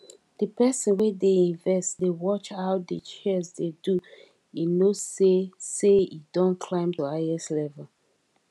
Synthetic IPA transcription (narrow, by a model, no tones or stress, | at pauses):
d̥əpɛsə̃nwɛdeĩnvɛstdewɔt͡ʃhaʊdət͡ʃɛsdedu | inozseseidɔ̃nkʰlãɪ̃mtuaɪɛslɛvɛl